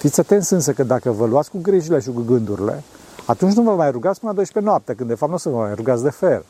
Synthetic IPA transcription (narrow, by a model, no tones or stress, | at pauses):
fit̪sʲat̪ent̪sʲɨns̬əkəd̪akəvəluat̪sʲkuɡɾiʒile̞ʃikuɡɨnd̪uɾile̞̰ | at̪unt͡ʃ̬ʲnuvəmajruɡat̪spɨnəad̪ojʃpenoap̚t̪ekɨnd̪d̪e̞fap̚t̪nusəvəmajɾuɡat̪sd̪e̞fel